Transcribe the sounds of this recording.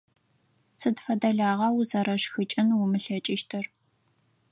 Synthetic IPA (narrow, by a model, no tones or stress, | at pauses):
sɨdfɐdɐɮaːʁɐwuzɐɾɐʃxɨt͡ʃʼɪnwʊmɨɬɐt͡ʃʼɪʃtʰɨr